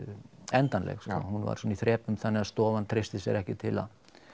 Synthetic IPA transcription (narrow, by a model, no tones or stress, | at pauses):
ɛnt̪anlɛ̰xskɔ̰ːhunva̰ɾ̥sɔnaiθɾɛːpʏmθanːɪast̪ɔːvant̪ʰɾest̪ɪsjɛ̰ɾɛhcɪt̪ʰɪla̰ð